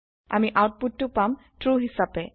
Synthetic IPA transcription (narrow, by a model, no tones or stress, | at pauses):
a̰miʔawt̚putːʊpam | tɹuɦisapɛ